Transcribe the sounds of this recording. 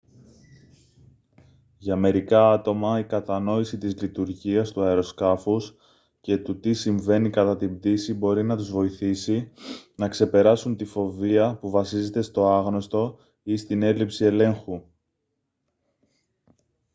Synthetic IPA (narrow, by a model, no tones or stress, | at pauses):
ʝɐme̞ɾikɐɐt̪o̞mɐikɐt̪ɐno̞isit̪izlit̪uɾʝiɐst̪uɐeɾo̞skɐfus | ce̞t̪ut̪isiɱve̞nikɐt̪ɐt̪imb̚d̪isibo̞ɾinɐt̪uzvo̞iθisinɐkse̞pe̞ɾɐsunt̪ifo̞viɐpuvɐsize̞t̪e̞st̪o̞ɐɣno̞st̪o̞ | ist̪ine̞lipsie̞le̞ŋxu